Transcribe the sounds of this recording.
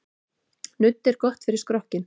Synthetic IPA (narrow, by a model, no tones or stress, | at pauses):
nʏt̪ːɛɾ̥kɔht̪fɪɾɪɾ̥skɾɔhcɪn